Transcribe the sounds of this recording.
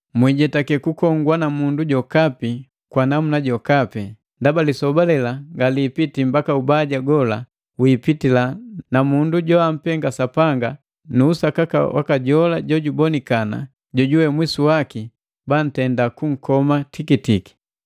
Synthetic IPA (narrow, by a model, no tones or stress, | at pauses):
mwiɟɛtakɛkukɔŋɡwanamunduɟɔkapi | kwanamunaɟɔkapɛ | ndabalisɔbalɛlaŋɡaliːpitimbakaubaɟaɡɔla | wiːpitilanamunduɟɔam̩pɛŋɡasapaŋɡa | nuːsakaka̰wʔa̰kaɟɔlaɟɔɟubɔnikana̰ | ɟɔɟuwɛmwisuwaki | ban̩tɛndakuŋ̩kɔmatikitiki̥